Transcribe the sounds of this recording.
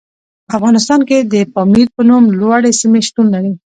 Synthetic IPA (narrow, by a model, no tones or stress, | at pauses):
pəafɣɑnɪs̬t̪ɑnked̪əpɑmiɾpənumlwaɽesimeʃʈunlaɾe